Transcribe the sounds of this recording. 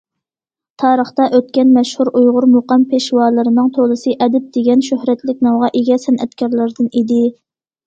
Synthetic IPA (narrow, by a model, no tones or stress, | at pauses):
t̪ʰɑːɾəχt̪ɑʔøt̪̚kʲɛnmɛʃhuɾʔujʁʊɾmoqɑmpʰeʃwɑlˠɨɾɨnɨŋt̪ʰolˠɨsɨʔɛd̪ɪp̚d̪̥eɡʲɛnʃøhɾɛt̪lɪkʲnɑwʁɑʔeɡʲɛsɛnʔɛ̰t̪kʲɑɾlˠɨɾd̪ɨnid̪ɪ